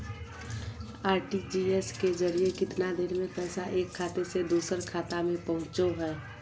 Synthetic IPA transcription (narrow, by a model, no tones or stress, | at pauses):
aːɾʈid͡ʒiesked͡ʒəɾijekɪt̪nad̪eːɾmẽpɛːsaʔeːkʰːaːt̪esed̪oːsəɾkʰaːt̪amẽpəɦʊ̃t͡ʃoɦɛː